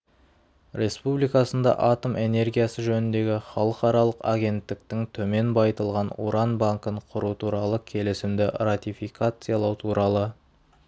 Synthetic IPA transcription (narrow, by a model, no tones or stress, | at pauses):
ɾʲe̞spublijkɑsənd̪ɑ̰ʔɑt̪ome̞ne̞ɾɡʲijasəʒɵnɪnd̪e̞ɡʲɪχɑlˠəqɑɾɑlˠəqaɡʲe̞nt̪ːɪk̚t̪ɪŋt̪ʰɵme̞nbɑjt̪əlˠʁɑnṵɾɑnbaŋkəɴqʰʊɾut̪ʰuɾɑlˠəkʲʰe̞lɪsɪmd̪ɪrat̪ijfijkat̪sɨjalˠɑwt̪ʰuɾɑlˠə